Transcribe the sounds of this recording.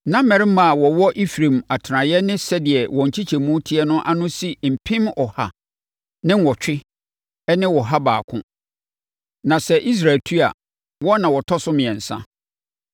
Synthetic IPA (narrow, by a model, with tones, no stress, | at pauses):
nã˦mːɛ˨ɾɪ˦mã˨wɔ˨wɔ˦ʔi˦fɾẽ˨ma˨tʰɾã˨jɛ˦nɪ̃˦sɛ˦dɪ˨ɛ˨wʔɔ̃˨ɲ̩˨t͡ɕʰi˦t͡ɕʰɛ˨mũ˦tʰi˦ɛ˦nʊ̃˦ʔa˦nʊ̃˦si˦m̩˨pʰɪ̃˦mɔ˨ha˨ | nɪ̃˦n˦wɔ˨t͡ɕᶣɪ˦ | ɛ˦nɪ̃˦wɔ˨ɦa˦ba̰ː˨kʰʊ̰̃˦ | nã˨sɛ˦ʔi˦s̬ɾa˨tʰu˦a̰˨ | wɔ˦nã˨wɔ˨tʰɔ˦sʊ˦mɪ̃˨ɛ̃˨n̩˨sã̰˦